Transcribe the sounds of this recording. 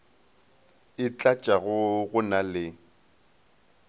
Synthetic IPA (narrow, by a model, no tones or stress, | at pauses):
ɪt͡ɬʼat͡ʃʼaɣʊɣʊnalɪ